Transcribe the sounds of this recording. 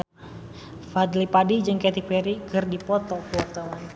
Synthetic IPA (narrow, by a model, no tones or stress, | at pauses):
fad̪lipadid͡ʒɨŋkɛt̪ik̚pɛɾikɨrdipɔt̪ɔkuwɔrt̪awan